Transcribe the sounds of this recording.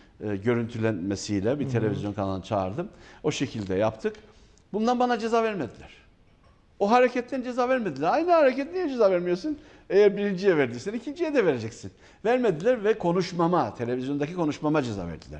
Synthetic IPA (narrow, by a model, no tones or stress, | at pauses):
ɯɟø̞ɾynt̪ʰylʲænmesijlʲɛbit̪ʰe̞lʲe̞vʲizjo̞nkʰanalanɯt͡ʃʰa̰ːɾd̪ɯmo̞ʃe̞cʰilʲd̪ɛ̰japt̪ʰɯk | bund̪anbanad͡ʒe̞zaːvæɾmed̪ilʲæɾ̥ | oɦaɾecʰɛt̪ʰːænd͡ʒe̞zaːvæɾmed̪ilʲæɾajnɯhaɾecʰɛt̪̚nijɛd͡ʒe̞zaːvæɾmijosun | ejæɾbiɾind͡ʒijɛvæɾd̪isɛniicʰind͡ʒijɛd̪ɛve̞ɾe̞d͡ʒɛcsin | væɾmed̪ilʲæɾvɛkʰo̞nuʃmamat̪ʰe̞lʲe̞vizjo̞nd̪acikʰo̞nuʃmamad͡ʒe̞za̰ːvæ̰ɾd̪ilʲæ̰ɾ̥